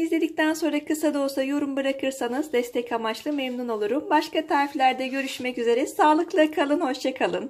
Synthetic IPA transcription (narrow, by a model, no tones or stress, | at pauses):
izlʲe̞d̪ic̚t̪ʰænso̞nɾakʰɯsad̪o̞sajo̞ɾumbɯɾakʰɯɾsanɯzd̪ɛst̪ʰɛcʰamat͡ʃlˠɯmemnuno̞lˠuɾumbaʃkat̪ʰaɾflʲæɾd̪ɛɟø̞ɾyʃmɛcyze̞ɾɛsaːlˠɯklˠakʰalˠɯnho̞ʃt͡ʃʰakʰalˠɯn